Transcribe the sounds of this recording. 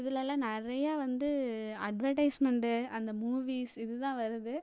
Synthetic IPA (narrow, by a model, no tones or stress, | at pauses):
ɪðɪlɛlːãːnɪɾɐjaːʋɐnd̪ɯ | ɐɖʋɐɾʈɐɪsmɛɳɖɯɐnd̪ɐmuːʋiːsɪðɯt̪ãːʋɐɾɯðɯ